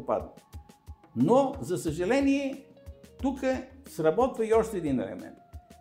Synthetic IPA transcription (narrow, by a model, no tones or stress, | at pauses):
opa̰d̪ə | nozɐsɐʒɐlɛniɛ | t̪ukəsɾɐbɔt̪vɐiɔʃt̪ɛːd̪inɛ̰lɛ̰mɛ̰nt̪